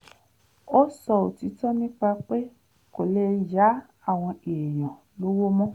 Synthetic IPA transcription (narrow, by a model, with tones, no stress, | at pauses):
ɔ˦sɔ˧˨o˨ti˨˧˦tɔ˦nĩ˦k͡pa˧k͡pe˦ | ko˨le˧ja˨˦ | a˦˨w̃ɔ̃˧e˨j̃ɔ̃˨ | lo˦wo˦mɔ̃˦